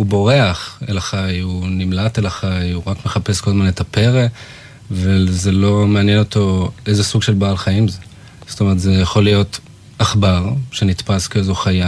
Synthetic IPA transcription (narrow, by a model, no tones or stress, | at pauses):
ubo̞ʁe̞aχḛlaχajunimlatelaχajuʁakme̞χape̞sko̞lmanetape̞ʁe | vazelo̞meanjeno̞to̞ʔejzesuɡʃelbaːlχajimze | ztome̞ʁt̪zejaχo̞lijo̞t | aχbaʁʃenit̪paskeezoχaja